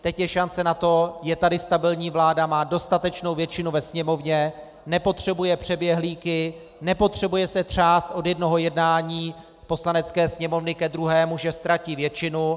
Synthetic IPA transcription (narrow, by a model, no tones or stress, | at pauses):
t̪ɛcjɛʃant͡sɛnat̪o̞jɛt̪adɪst̪abɪlɲiːvlaːdamaːdo̞st̪at̪ɛt͡ʃno̞wvjɛt͡ʃɪnuvɛsɲɛmo̞vɲɛ | nɛpo̞t̪r̝̥ɛbujɛpr̝̥ɛbjɛɦliːkɪ | nɛpo̞t̪r̝̥ɛbujɛsɛt̪r̝̥aːst̪ʔo̞djɛdno̞ɦo̞jɛdnaːɲiː | po̞slanɛt͡skɛːsɲɛmo̞vnɪkɛd̪ɾuɦɛːmuʒɛst̪ɾaciːvjɛt͡ʃɪnu